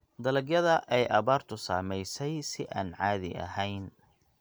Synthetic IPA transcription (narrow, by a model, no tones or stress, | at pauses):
d̪ɐlɐɡjɐðɐʔɛjʔɐβaːrt̪ʰʊsaːmɛjsɛjsɪʔaːnʕaːðɪ̰ʔɐ̰ɦɛjn